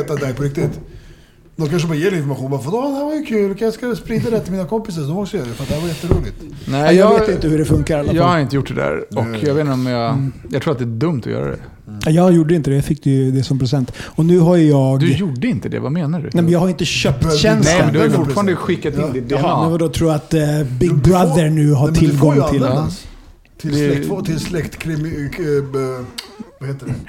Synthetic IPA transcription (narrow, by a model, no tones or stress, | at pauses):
t̪ːad̪ɛjpʰɔɾɪk̚t̪ɪt̪ | d̪ɔkʰanʂ̬əbɑːɾajeːɾɛɪnfɔɾmaɧuːnbɑɾfad̪ɔd̪ɛhæɾvaɾjəkʰʉːlkʰajaskaspɾiːd̪ad̪ɛt̪ʰɪlmiːnakʰɔmpɪs̬aɾsɔd̪ɔmɔksɔjœːɾad̪ɛfɾat̪d̪ɛhæɾvajɛt̪ːəɾuːlɪɡt̪ | nɛjɑːɡveːt̪ɪnt̪əhɵɖɛfɵŋkaɾɛlːajɑːɡhaɾɪnt̪əjʊʈːd̪ɛd̪æ̰ɾɔkjɑɡvːt̪nɔmjɑjɑ̰aɡt̪ʰuːɾat̪d̪ɛːæɖɵmt̪ɔ̰jœ̰ːɾa̰d̪ɛ̰ | ajɑjuːɖːəɪnt̪əd̪ɛjafɪkːd̪ɛd̪ɛsɔmpɾɛsɛnt̪ɔnʉ̟ːɦajjɑːɡd̪ɵjuɖːəɪnt̪əd̪ɛ̰vameːnaɖʉ̰nɛmɛnjɑɡhaɾjɪnt̪əɕœp̚t̪ɛnsɛlmɛnd̪ɵajfʊʈfɑːɾand̪əɧɪkːat̪ɪnd̪ɪt̪d̪eːmɛnvad̪ɔt̪ʰɾuːat̪bɪɡɡ̚bɾad̪əɾɳʉ̟ːɦatʰɪlːɡɡɔŋt̪ʰɪl | ɛt̪ʰɪlslɛkt̪kʰɾɪ | vaheːt̪ː